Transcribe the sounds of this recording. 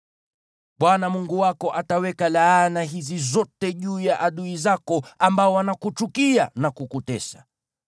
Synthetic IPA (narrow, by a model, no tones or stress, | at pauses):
ɓwanamuŋɡuwakɔʔatawɛkalaːnaɦizizɔtɛʄuːjaʔaɗuizakɔambaɔwanakut͡ʃukianakukutɛ̰sḁ